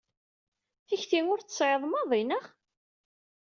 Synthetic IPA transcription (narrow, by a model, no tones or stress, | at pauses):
θiçθiŋʊɾθəsʕeðˤmɑðˤinəʁ